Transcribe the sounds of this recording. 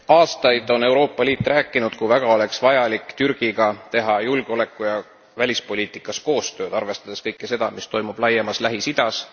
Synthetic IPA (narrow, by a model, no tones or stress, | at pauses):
ɑːst̪ɑjd̪̥o̞ne̞wɾo̞ːpːˑɑliːt̪ːˑræːkːˑinud̪̥kuvæɡ̥ɑo̞le̞ksvɑjɑlikːˑt̪yrɡ̥iɡ̥ɑt̪e̞ɦɑjulɡ̥eo̞le̞kːˑujɑ | vælʲispo̞lʲiːt̪ˑikːˑɑsko̞ːst̪ø̞ːd̪̥ɑrve̞st̪ɑd̪eskɤjkːese̞d̪̥ɑmist̪o̞jmub̥lɑjːemɑslæɦisid̪̥ɑs